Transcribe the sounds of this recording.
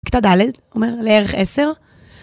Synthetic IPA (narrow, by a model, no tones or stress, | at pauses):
kt̪ad̪aled̪ | omeʁleeʁeχeseʁ